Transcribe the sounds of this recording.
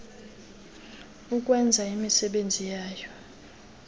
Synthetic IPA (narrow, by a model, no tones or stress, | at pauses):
uk̬ʼwɛnd͡zʱaimisɛɓend͡zʱijaːjɔ